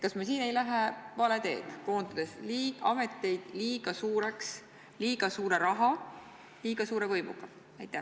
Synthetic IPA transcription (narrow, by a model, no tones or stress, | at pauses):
kɑsmɑsiːne̞jlæɦevɑle̞t̪e̞̰ːd̪̥ko̞ːnt̪ud̪̥e̞sliːɑme̞t̪ːˑe̞jd̪̥liːɡ̥ɑsuːɾe̞ks | liːɡ̥ɑsuːɾe̞ɾɑɦɑ | liːɡ̥ɑsuːɾe̞vɤjmṵɡ̥ɑ | ɑjt̪ːˑæh